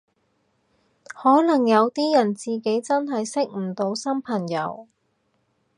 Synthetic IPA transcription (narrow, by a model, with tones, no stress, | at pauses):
hɔː˨˥lɐ˨˩ŋjɐ˨˧wt̪iː˥jɐ˨˩nt͡siː˨ke˨˥jt͡sɐ˥nɦɐ˨jsɪ˥k̚m̩˨˩t̪o˨˧wsɐ˥mpʰɐ˨˩ŋjɐ˨˧˥w